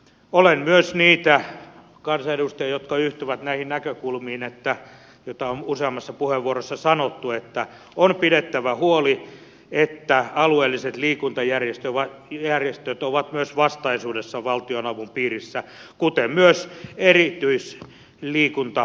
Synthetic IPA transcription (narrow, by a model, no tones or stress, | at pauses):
olenmyøsniːt̪æ | kɑnsɑedust̪ɑjɑjot̪kɑyht̪yʋæt̪næihinnækøkulmiːinet̪ːæ | jot̪ɑonuseɑmːɑsːɑpuheʋʋuorosːɑsɑnot̪ːuet̪ːæ | onpidet̪ːæʋæhuoli | et̪ːæɑlueːlːiset̪liːkunt̪ɑjærjest̪øʋɑjærjest̪øt̪oʋɑt̪myøsʋɑst̪ɑisuːdesːɑʋɑlt̪ionɑʋumpiːrisːækut̪emmyøserit̪yis | liːkunt̪ɑ